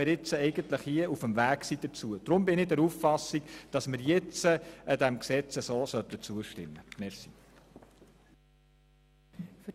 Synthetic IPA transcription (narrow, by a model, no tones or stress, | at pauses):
ɪɾjɪt͡səɛɪɡənt̪ləχhiəufəmvæːksid̪̥əɾt͡suəd̥ɾʊmbɪnɪdɛɾuffɑsːikd̥ɑsmɪɾjɪt͡səəd̥̪æmksɛt͡səsoːsœt̪ːət͡suəʃtɪmːəmɛɾsi | f